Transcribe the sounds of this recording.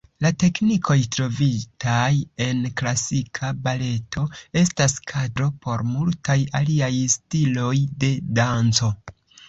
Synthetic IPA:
late̞knikʰo̞jtɾo̞vitʰaje̞nklasikʰabale̞tʰo̞e̞staskʰadɾo̞pʰo̞ɾmultajaliajstilo̞jde̞dant͡so̞

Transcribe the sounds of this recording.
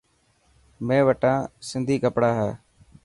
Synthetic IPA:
mẽːʋəʈãːsɪnd̪ʱiːkəpɽaːɦɛː

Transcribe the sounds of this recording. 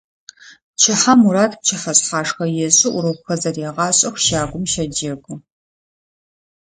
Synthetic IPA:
t͡ʃʰɪħamuɾaːtʰp̚t͡ʃʰɪħɐɕʼħaːʂxɐjɛɕʼɪʔʷʊɾɐxɐzɐrjɛːʁɑːɕʼɐxʷʃaːɡʷʊmʃɐd͡ʒɐɡʷʼʊ

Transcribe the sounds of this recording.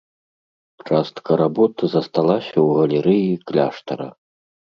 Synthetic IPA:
t͡ʂast̪kɐɾabɔt̪ɐzɐst̪alˠasʲɐwɣɐlʲɛɾɨjiklʲaʂt̪ɐ̰ɾɐ̰

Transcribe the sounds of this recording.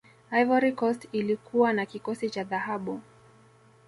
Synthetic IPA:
ajvaɾikɔstilikʰuwanakikɔsit͡ʃaðahaɓu

